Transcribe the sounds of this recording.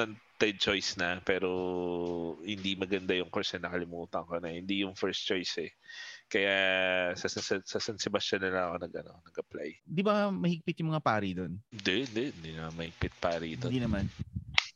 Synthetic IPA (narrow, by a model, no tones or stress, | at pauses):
ɐnt̪ɛd̪̚t͡ʃojsnɐpɛːɾo̞ | hɪnd̪imɐɡɐnd̪ajʊŋkoɹsɛnɐkɐlɪmuːt̪ɐŋɐkonɐhɪnd̪ijʊŋfɛɹst͡ʃojsɛkɐjasɐsɐsɐsɐsɐnsɪbɐsɐnɐlɐŋɐkonɐɡʔɐno̰nɐɡʔɐpla̰j̪d̪ibɐmɐhɪɡ̚pɪt̪jʊŋmɐŋapaːɾid̪o̞nd̪ɛnd̪ɛnd̪inɐŋamɐhɪɡ̚pɪt̪̚paːɾiʔɪt̪od̪inɐman